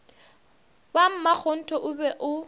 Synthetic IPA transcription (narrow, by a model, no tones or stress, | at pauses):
bam̩mak͡xʰɔn̩tʰʼɔʔʊbɛʔʊ